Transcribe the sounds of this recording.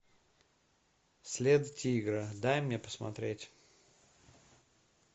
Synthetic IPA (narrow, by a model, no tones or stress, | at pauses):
sʲlʲed̪ʊtʲiɡɾɨd̪ajmnʲepə̥smɐ̰t̪ɾʲetʲ